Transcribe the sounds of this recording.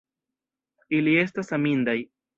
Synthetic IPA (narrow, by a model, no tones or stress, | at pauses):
ilie̞stasamindaj